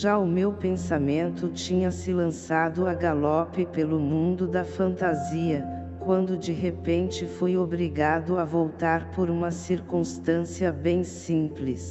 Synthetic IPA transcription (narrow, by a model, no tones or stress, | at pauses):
ʒaʊmewpẽnsamẽnt̪ʊt͡ʃĩɲɐsɪlɐ̃sad̪ʊaɡalɔpɪpelʊmũnd̪ʊd̪ɐfɐ̃nt̪aziɐ | kwɐ̃nd̪ʊd͡ʒɪɦepẽnt͡ʃɪfojobɾiɡad̪ʊɐvowt̪aɾpoɾũmɐsiɾkũst̪ɐ̃siɐbẽj̃sĩplɪs